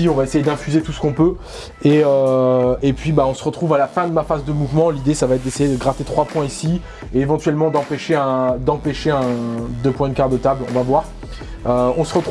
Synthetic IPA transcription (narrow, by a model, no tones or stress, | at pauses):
iɔ̃vaesejed̪ɛ̃fyzet̪usə̥kɔ̃pø | eøepɥibaɔ̃səʁət̪χuvalafɛ̃d̪əmafazd̪əmuvmɑ̃lid̪esavaɛt̪̚d̪esejed̪əɡʁat̪et̪χwapwɛ̃isi | eevɑ̃t̪ɥɛlmɑ̃d̪ɑ̃peʃeɛ̃d̪ɑ̃peʃeɛ̃d̪øpwɛ̃d̪kaʁd̪ət̪ablɔ̰̃vavwaʁ | øɔ̃səʁət̪χ